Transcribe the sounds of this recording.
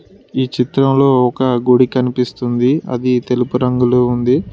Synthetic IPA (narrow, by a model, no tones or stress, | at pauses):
iːt͡ʃit̪ɾɐmlo̞ːɔkɐɡuɽikɐnipist̪und̪iɐ̰d̪it̪e̞lupuɾɐŋɡuluund̪i